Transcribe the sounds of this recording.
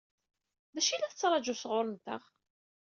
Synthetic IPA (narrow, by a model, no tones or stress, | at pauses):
ðæʃilæθət͡sːɾˤɑd͡ʒusʁʊɾˤənt̪ə̰ʁ